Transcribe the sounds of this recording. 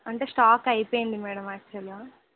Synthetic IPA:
ɐɳʈesʈaːkɐjpeːɳɖimɛːɽɐmaːɡt̪ʰiɐlːaː

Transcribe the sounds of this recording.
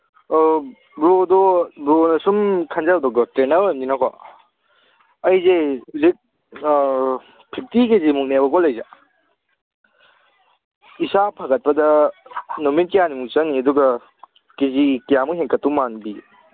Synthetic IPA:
bɾodɔbɾonɐsumkʰɐnzadɔɡɔtɾenɐɾemdinakʰɔ̰ | ɐjzelit̚ | pʰik̚tikezimuk̚nebɐkɔlɐjza | isapʰaɡɐt̚pɐdɐ | nomit̚kijanimukt͡ʃɐŋniɐduɡɐ | kezikijamuɦeŋkɐtːumanbi

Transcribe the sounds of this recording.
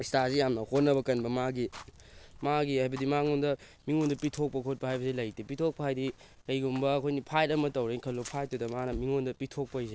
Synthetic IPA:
stasijamnɐhot̚nːɐbɐkɐnbɐmaɡi | maɡihajbɐdimaŋundɐ | miŋundɐpitʰok̚pɐkʰot̚pɐhajbɐselɐjtipitʰok̚pɐajdi | kɐjɡumbɐːkʰojnipʰajtɐmɐtɐwɾeinkʰɐlːopʰajt̚ːudɐmanɐmiŋondɐpitʰok̚pɐjse

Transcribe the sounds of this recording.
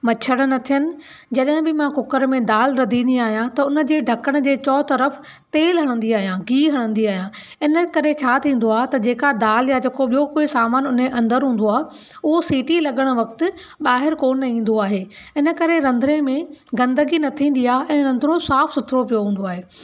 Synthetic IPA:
mɐt͡ɕʰəɽ̃̆nɐt̪ʰijənɪ̆ | d͡ʑɐɗɦɪ̃bɪmãkʊkəɾmẽd̪aːlɾɐd̪ʱĩːnd̪iaːɦijãt̪ɐʊnə̆d͡ʑeːɖʱɐkəɽ̃̆d͡ʑeːt͡ɕɔːt̪ɐɾəf | t̪eːlɦɐɽ̃ə̃nd̪iaːɦijãɡiːɦɐɽ̃ə̃n̆d̪iaːɦijãː | ɪnə̆kɐɾet͡ɕʰaːt̪ʰĩːn̆d̪oaːɦt̪ɐd͡ʑeːkad̪aːljad͡ʑeːkoɓijokʊsaːmaːnʊneʔɐ̃nd̪əɾɦũːn̆d̪oaːɦ | ʊɦosiːʈilɐɠəɽ̃ʊ̆ʋɐk̚t̪ɪ̆ | ɓaːɦɪɾkoːnɐĩːn̆d̪oaːɦeː | ɪnə̆kɐɾeɾɐ̃nd̪ʱɾẽmẽɡɐ̃nd̪əɡinɐt̪ʰĩːn̆d̪iaːʔɛ̃ːɾɐ̃nd̪ʱɾõsaːfsʊt̪ʰɾopijoɦũːn̆d̪oaːɦeː

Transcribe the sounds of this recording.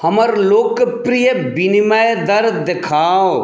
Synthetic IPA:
hɐmɐɾloːkpɾijəbinimajd̪ɐɾd̪ekʰaːo

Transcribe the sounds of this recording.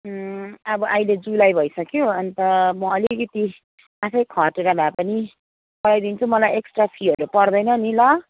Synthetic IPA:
ʌbʌʔajled͡zulajbʱʌjsʌkjoʌnt̪ʌmʌʌlikʌt̪i | apʰʌjkʰʌʈeɾabʱapʌni | pʌɽajd̪int͡sʰumʌlajeksʈrapʰiɦʌɾupʌrd̪ʌjnʌnilʌ

